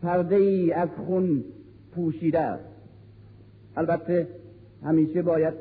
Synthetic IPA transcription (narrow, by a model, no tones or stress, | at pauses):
pʰæɾd̪eiːæzxun | pʰuːʃiːd̪ææ̰s | ælbæt̪ʰːe | hæmiːʃebɒːjæd̪̚